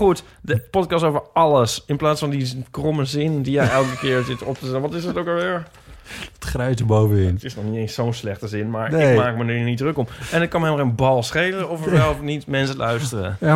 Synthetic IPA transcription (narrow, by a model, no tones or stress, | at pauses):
xuət | dəpɔt̚kɑstoːvəɹɑlˠəsɪnplaːtsfɔndikroməzɪndijɛjɛlˠkəkɪəɹsɪtɔp̚təsɛənʋɔtɪsətowkəɹʋɪɹ | ətχrɛɥtəbowvəɪntɪsnɔxniteːnssownslɛxtəzɪnmaɹɪkmaːk̚mənnidrøkomɛnət̚kɑnmɛməənbɔlˠsχeːləɔfəʋɛlˠnitmɛnsəlʔœɥstərə